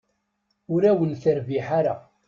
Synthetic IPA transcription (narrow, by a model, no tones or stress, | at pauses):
ʊɾæwənθəɾviħaɾa̰